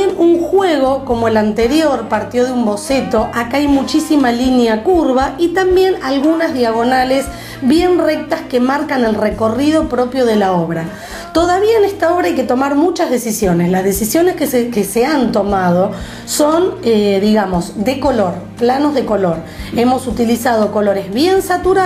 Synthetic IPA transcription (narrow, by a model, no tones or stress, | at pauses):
jenuŋxwe̞ɣ̞o̞ko̞mo̞elant̪e̞ɾjo̞ɾpaɾt̪jo̞ð̞eumbo̞se̞t̪o̞ʔakaajmut͡ʃisimalinjakuɾβait̪ambje̞nalɣunazðiaɣo̞nale̞s | βje̞nre̞k̚t̪askemaɾkane̞lreko̞rið̞o̞pɾo̞pjo̞ðe̞laoβ̞ɾa | t̪o̞ðaβiaene̞st̪ao̞β̞ɾaajket̪o̞maɾmut͡ʃazðe̞sisjo̞neslazðe̞sisjo̞neskkeseant̪o̞mað̞o̞ | soneðiɣamo̞sd̪eko̞lo̞ɾplano̞zðe̞ko̞lo̞ɾ | emo̞sut̪ilisað̞o̞ko̞lo̞ɾe̞zβje̞nsat̪uɾa